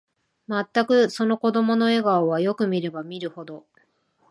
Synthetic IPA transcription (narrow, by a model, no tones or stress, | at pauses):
mat̪ːakɯ̟so̞no̞ko̞d̪o̞mo̞no̞e̞ɡaoβajo̞kɯ̟mʲiɾe̞bamʲiɾɯ̟ho̞d̪o̞